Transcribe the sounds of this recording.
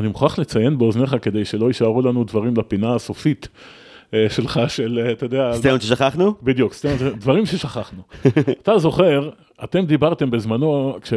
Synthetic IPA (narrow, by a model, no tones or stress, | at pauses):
animeχuaχlet͡saje̞nbeo̞zne̞χake̞d̪e̞jʃelo̞iʃaʁulanud̪vaʁimlapinaːsofit̪ | ʃe̞lχaʃe̞leat̪od̪eastajomʃeʃaχaχnubid̪jukstajomʃed̪vaʁimʃeʃaχaχnuat̪azo̞χe̞ʁ | at̪e̞md̪ibaʁt̪e̞mbezmano̞kʃe